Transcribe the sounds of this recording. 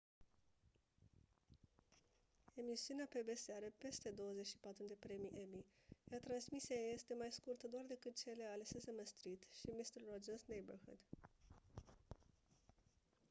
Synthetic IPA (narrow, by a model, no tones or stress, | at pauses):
e̞misiuneape̞be̞seaɾəpe̞st̪e̞d̪o̞wəze̞t͡ʃʃi̥pat̪ɾud̪e̞pɾe̞miʔe̞mijat̪ɾansmiseajaje̞st̪e̞majskurt̪əd̪oard̪e̞kɨt̪̚t͡ʃe̞le̞alesesəməst̪ɾit̪ʃimist̪ərod͡ʒənsnejbərhṵd̪̥